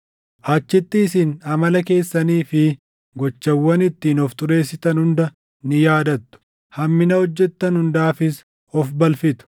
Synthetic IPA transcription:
ʔat͡ʃːɪt̪ːɪːsɪnɐmɐlɐke̞ːsːɐniːfɪ | ɡɔt͡ʃːɐwːɐnɪt̪ːiːnɔft̪ʊɾe̞ːsːɪt̪ɐnhʊnd̪ɐ | nɪjaːd̪ɐt̪ːʊ̥ | hɐmːɪnɐhɔd͡ʒːɛt̪ːɐnhʊnd̪aːfɪs | ɔfbɐlfɪt̪ʊ̥

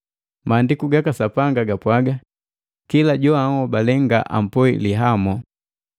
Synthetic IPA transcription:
maːndikuɡakasapaŋɡaɡapwaɡa | kilaɟɔahɔbalɛŋɡa̰ʔa̰m̩pɔḭliɦamɔ

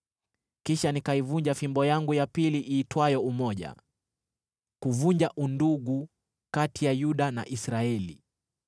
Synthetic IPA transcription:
kiʃanikaivuɲd͡ʒafimbɔjaŋɡujapiliʔiːtwajɔumɔʄa̰ | kuvuɲd͡ʒaʔunduɠu | katijajuɗana̰ʔisɾaɛli

